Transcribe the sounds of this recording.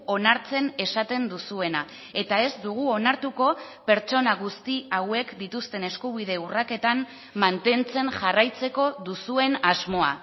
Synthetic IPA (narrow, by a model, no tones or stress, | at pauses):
o̞naɾt͡se̞ne̞sat̪e̞nd̪usue̞na | e̞t̪ae̞zd̪uɣ̞uo̞naɾt̪uko̞pe̞ɾt͡ʃo̞naɣust̪iawe̞kd̪it̪ust̪e̞ne̞skuβiðe̞urake̞t̪am | mant̪e̞nt͡se̞nʝarajt͡se̞ko̞ðusue̞nazmo̞a̰